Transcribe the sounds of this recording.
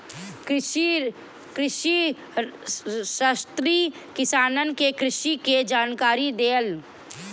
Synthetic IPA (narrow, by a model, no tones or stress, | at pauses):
kɾɪʃi | kɾɪʃi | ʃast̪ɾi | kɪsaːnənkekɾɪʃiked͡ʒaːnkaːɾid̪eːl